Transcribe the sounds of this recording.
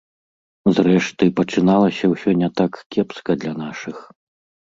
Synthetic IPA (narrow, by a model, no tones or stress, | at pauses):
zrɛʂt̪ɨpɐt͡ʂɨnalˠɐsʲɐwsʲɔnʲɛt̪akkʲɛpskɐd̪lʲɐn̪aʂɨx